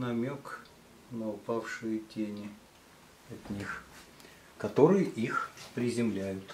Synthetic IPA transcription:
nɐmʲok | nəʊpafʂɨjətʲenʲɪ | ɐt̪ʲnʲix | kɐt̪o̞ɾɨjəʔixpɾʲɪzʲɪmlʲæjʊt̪

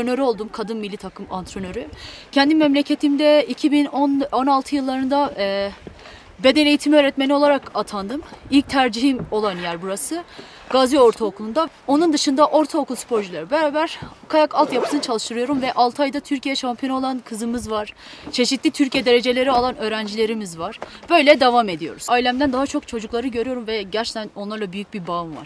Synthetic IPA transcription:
nø̞ɾyo̞lˠd̪umkʰad̪ɯnmilʲːit̪ʰakʰɯmant̪ɾo̞nø̞ɾycʰɛnd̪inmɛmlʲecʰe̞t̪ʰimd̪ɛicʰibinono̞nalˠt̪ʰɯjɯlˠːaɾɯnd̪aɛ | be̞d̪ɛnejit̪ʰimiø̞ːɾɛt̪me̞nio̞lˠaɾakat̪ʰand̪ɯmilʲc̚t̪ʰæɾd͡ʒiɦimo̞lˠanjæɾbuɾasɯ | ɡazio̞ɾt̪ʰaokʰlˠund̪a | o̞nund̪ɯʃɯnd̪aʔo̞ɾt̪ʰaokʰulˠspʰo̞ɾʒilʲeɾibeɾaːbæɾ̥kʰajakʰalˠt̪japʰɯsɯnt͡ʃʰalˠɯʃt̪ʰɯɾɯjo̞ɾumvɛʔalˠt̪ʰajd̪at̪ʰyɾcʰijɛʃampʰijoo̞lˠankʰɯzɯmɯzvaɾ̥t͡ʃʰe̞ʃit̪lʲit̪ʰyɾcijɛd̪e̞ɾe̞d͡ʒe̞lʲe̞ɾialˠanø̞ːɾænd͡ʒilʲe̞ɾimizvaɾ̥b̥ø̞jlʲɛd̪avame̞d̪ijo̞̰ɾuz̥ajlʲæmd̪ænd̪aɦat͡ʃʰo̞kt͡ʃʰo̞d͡ʒuklˠaɾɯɟø̞ɾyjo̞ɾumvɛɟæɾt͡ʃʰe̥ct̪ʰæno̞nlˠaɾlˠabyjyc̚bibaɯmva̰ɾ̥

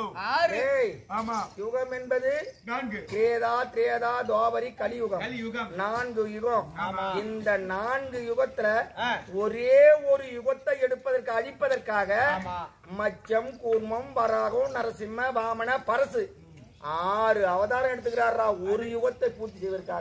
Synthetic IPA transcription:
aːɾe | jʊɣɐmɛnbɐðɯkɪɾeːðaːk̪ɪɾeːðaːd̪aːbɐɾikɐlɪjʊɣɐmɐnaːnɡɯjʊɣɐ̃mɪnd̪ɐnaːnɡɯjʊɣɐt̪ːɪlɐɔɾeːɔɾɯjʊɣɐt̪ːɐɪɛɽɯpːɐðɐrkɯɐɻɪpːɐðɐrkaːɣɐ | mɐt͡ʃːɐmkuːɾmɐmʋɐɾaːɣɯ̃nɐɾɐsɪmːɐbaːmɐnɐpɐɾɐsɯ | aːɾɯɐʋɐðaːɾɐmɛɽɯt̪̬ːɯkːɪɾaːɾlaːɔɾɯjʊɣɐt̪ːɐɪpuːt̪ːɪsɛjʋɐɾkːaːɣɐ

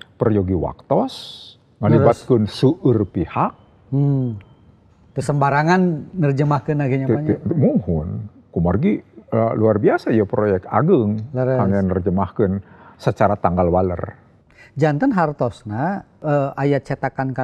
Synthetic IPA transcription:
pərjoɡiwa̰k̚t̪ɔs | ŋəlibat̪̚kənsuʔərpihak̚ | m̩ | k̪əsəmbaɾaŋanːərd͡ʒəmahkənaɡiɲaamuŋhʊn | kumarɡiluarbiasaijapɾojɛk̚t̪a̰ɡəŋlaaŋanərd͡ʒəmahkənsət͡ʃaɾat̪aŋɡalwalə̰r | d͡ʒant̪ənɦart̪ɔsna | əʔajat͡ʃat̪akanka

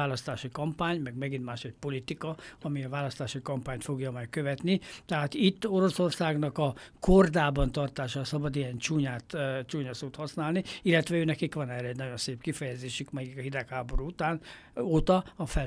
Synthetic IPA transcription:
aːlɒst̪aːʃikɒmpaːɲmɛɡmɛɡint̪maːʃɛc̚po̞lit̪ikɒɒmiɒvaːlɒst̪aːʃikɒmpaːɲt̪fo̞ɡjɒmɛjkøvɛt̪nit̪ɛɦaːt̪it̪ːo̞ɾo̞so̞rsaːɡnɒkɒkord̪aːbɒnt̪ɒrt̪aːʃɒːsɒbɒd̪iɛnt͡ʃuːɲaːt̪t͡ʃuːɲɒsoːt̪hɒsnaːlniilːɛt̪ʋɛøːnɛkikʋɒnɛːrɛɛɟnɒɟo̞nseːpkifɛjɛzeːʃykmɛikɒɦid̪ɛkhaːbo̞ɾuːut̪aːn | oːt̪ɒɒfɛ

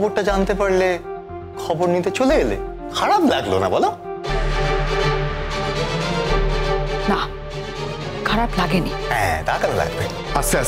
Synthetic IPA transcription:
boɾʈad͡ʑant̪epaɹle | kʰɔboɾnit̪̬et͡ɕoleelḛ | kʰaɾaplaɡlona̰bɔla | na | kʰaɾaplaɡenḭɦɛ̰̃t̪akalola̰ɡ̚bḛ | asa

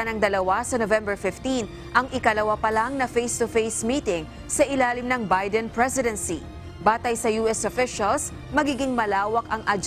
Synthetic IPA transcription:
ɐnɐŋd̪ɐlɐwasɐnovɛ̃mbɛɹfɪft̪in | ʔɐŋʔɪkɐlɐwapɐlaŋnɐfejst̪ʊfejsmiːt̪ɪŋ | sɐʔɪlaːlɪmnɐŋbajd̪ɛnpɹɛsɪd̪ɛnsi | baːt̪ɐjsɐjuːʔɛsofɪʃɐls | mɐɡiːɡɪŋmɐlaːwɐkɐŋʔɐd͡ʒ

